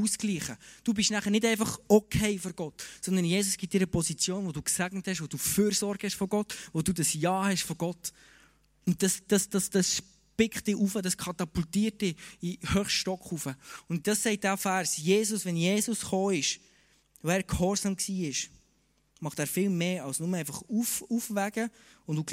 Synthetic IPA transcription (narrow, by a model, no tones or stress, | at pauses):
uskliːχəd̥uːbɪʃnæχənɪtɛɪfɑχɔkʰɛɪfɔɾɡ̥ɔtsɔnd̪ənjeːsʊsɡ̥ɪt̚d̥ɪːɾəpɔsit͡sjoːnʋoduːksæɡnəthɛʃvod̥uːføːɾsɔɾɡ̥hɛʃfɔɡ̥ɔtʋoduːdɑsjɑːhɛʃfɔɡ̥ɔt | ʊnt̚d̥ɑsd̥ɑsd̥ɑsd̥ɑsʃ | pɪkχtd̥ɪʔufədɑskʰɑtɑpultiːɾt̚d̥ɪihøːχʃtɔkχufəʊnt̚d̥ɑsːɛɪt̚d̥æfæɾsjeːsʊsʋɛnjeːsʊsχoːɪʃ | oæːɾkhɔɾzɑmksiːɪʃ | mɑχtæːɾfɪlmeːɑlsnʊməæɪfɑχufufvæɡ̥ə | ʊnduːɡ